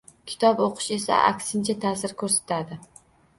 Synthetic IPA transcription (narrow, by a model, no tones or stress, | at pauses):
kʲʰɪ̥t̪ʰɒboqʰɨ̥ʃe̞sa̰ʔa̰kʲsɪnt͡ʃʰat̪ʰaːsɪɾkʰɵɾsḁt̪ʰad̪ɪ